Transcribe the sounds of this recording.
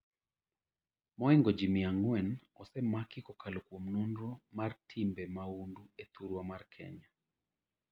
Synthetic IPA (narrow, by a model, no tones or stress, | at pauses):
mɔɛŋɡɔd͡ʒimiaŋwɛnɔsɛmakikɔkalokwomnunɾɔmartʰimbɛmaunduet̪uɾwamarkʰɛ̰ɲa